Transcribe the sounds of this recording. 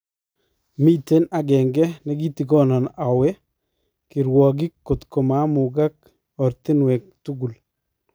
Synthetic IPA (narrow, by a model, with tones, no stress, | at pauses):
mi˦te˦na˨ɡɛŋɡɛ˦nɛ˦ɡi˦ti˨ɡɔ˦nɔ˨na˨wɛ˦ | ki˨ɾwɔ˨ɡ̬i˦kːo˨t̪ko˨ma˦mʊɡa˦k̚ | ɔ˨ɾti˦nwɛ˨k̚tu˦ɡu˨l